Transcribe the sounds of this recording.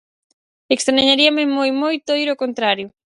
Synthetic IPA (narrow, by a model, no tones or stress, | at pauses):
ekst̪ɾaaɲaɾiɐmemojmojt̪ojɾokont̪ɾaɾjʊ